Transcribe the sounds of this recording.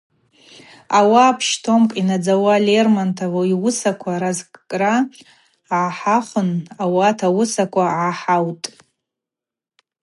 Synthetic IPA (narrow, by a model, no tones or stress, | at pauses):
awaːpʰʃtʰomkʼinad͡zawalermantʰawoiwʊsakʷʰaɾazkʼkʼra | ʕaħaχʷʊnawatʰawʊsakʷʰʼaʕaħawtʼ